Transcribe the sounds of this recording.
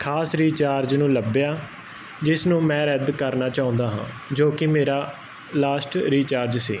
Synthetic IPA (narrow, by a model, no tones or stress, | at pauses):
kʰaːsɾiːt͡ʃaːɾd͡ʒnũːləbjaː | d͡ʒɪsnũːmɛ̃ːɾɛd̪kəɾnaːt͡ʃaːɦʊ̃ːnd̪aːɦã̰ː | d͡ʒoːkɪmeːɾaː | laːsʈɾiːt͡ʃaːɾd͡ʒsiː